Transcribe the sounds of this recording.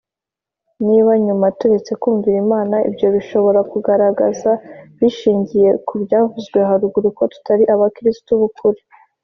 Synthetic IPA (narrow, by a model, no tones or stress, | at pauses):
niβaɲumatuɾe̞t͡se̞kuːɱviɾimaːnaḭbjo̞βiʃo̞βo̞ɾakuɡaɾaɡazaβiʃiːɲɟije̞kubjaːvuzɡweɦaɾuɡuɾuko̞tu̥taɾiʔaβakɾistuβukʰuɾi